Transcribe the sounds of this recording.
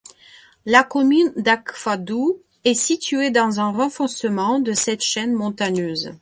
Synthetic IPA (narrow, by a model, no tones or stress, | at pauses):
lakɔmynd̪akfad̪u | ɛsit̪yed̪ɑ̃zɛ̃ʁɑ̃fɔ̃səmɑ̃d̪əsɛt̪ʃɛnmɔ̃t̪aɲøːz